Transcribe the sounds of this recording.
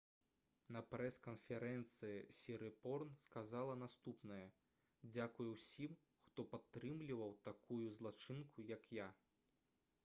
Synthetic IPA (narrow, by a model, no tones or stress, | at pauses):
nɐpɾɛskɐnfʲɛɾɛnt̪sɨjḭsʲiɾɨpɔrnskazalˠɐnast̪upnɐjɐ | d͡zʲakujuwsʲim | xt̪ɔpat̪ːɾɨmlʲivɐwt̪akʰujuzlˠat͡ʂɨnkujɐkja